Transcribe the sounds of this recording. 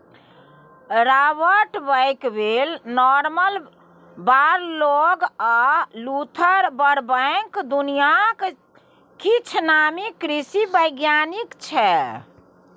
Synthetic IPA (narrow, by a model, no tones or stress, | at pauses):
ɾabəʈbəjkbelnɔɾməl | baɾloɡalut̪ʰəɾbəɾbəɪkd̪unijak | kit͡ʃʰnamikɾisibəjɡjanikt͡ʃʰɛ